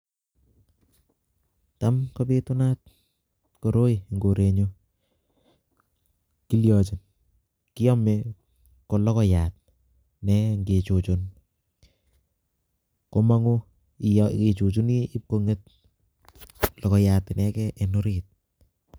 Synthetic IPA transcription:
tamkobetuna˦t̚ | ko˨ɾo˦iŋɡo˨ɾe˨ɲo | ki˦ljɔ˨t͡ʃi˨n | ki˦ɔ˦me | ko˨lɔ˦kɔ˦jaːt̚ | nɛŋɡe˨t͡ʃut͡ʃun | ko˦ma˦ŋu˦ | ke˨t͡ʃut͡ʃu˦niː˦p̚koŋe˦t̚ | lɔ˨kɔ˨jatnɛkɛʔeno˦ɾit̚

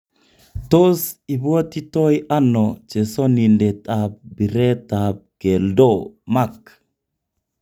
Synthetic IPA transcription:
to˦si˨βwo˦ti˦tɔ˦iʔa˦nɔ˨t͡ʃe˨sɔ˦ni˨ndɛ˨ta˨b̚bi˨ɾɛ˦ta˨b̚ɡ̥ɛ˨ldɔma˦k

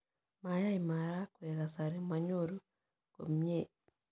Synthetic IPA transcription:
ma˨ja˦i˨ma˨ɾa˦kwɛ˨ka˨sa˨ɾi˦ma˨ɲo˦ɾo˦ | ko̰˨m˦e˦˨

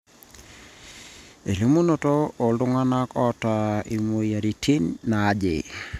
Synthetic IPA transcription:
e˨lo˦mo˦no˦˨to˦o˨ldʊ˦ŋa˦na˦kɔ˦ta˨i˨mo˨ja˨ɾi˨tʰi˦nna˨˦d͡ʒɪ̰˨

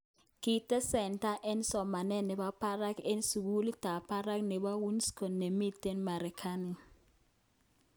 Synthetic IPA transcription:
ki˨tɛ˦sɛ˨nta˦ʔɛ˦n˦sɔ˨ma˨nɛ˦nɛ˨ɓa˦pʰa˦ra˦ke˦n˦su˨k̬u˦li˦ta˨pʰa˦ɾa˦knɛ˨ɓa˦wu˦nskʰɔ˨nːɛ˨mi˦tɛ˦nma˨ɾi˨kʰa˦ni˨

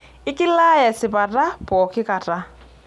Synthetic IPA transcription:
ɪ˦kɪ˦la˦jɛ˨sɪ˨pa˨ta˦pɔ˨kɪ˦ka˨ta˦

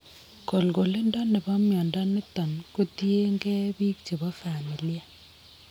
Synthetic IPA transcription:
ko˨lɡo˨le˦ndɔ˦nɪ˨bɔ˦mjɔ˨ndɔ˦nɪ˦tɔ˨nko˦tje˦ŋɡɛ˦bi˦kt͡ʃe˨bɔ˦fa˨mi˨li˦a˦

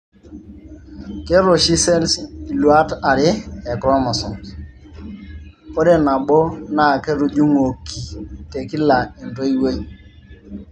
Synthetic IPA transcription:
ke˦ɾo˨ʃi˦sɛ˦lsi˨lwa˦ta˨ɾɪ˦ɛ˨kɾɔ˦mɔ˨sɔ˨n | ko˦de˦na˨ɓo˦na˦˨kɛ˦ɾu˨d͡ʒu˦ŋo˨kʰi˨te˨kɪ˦la˨i˨ndo˦i˦we˦ɲ˨

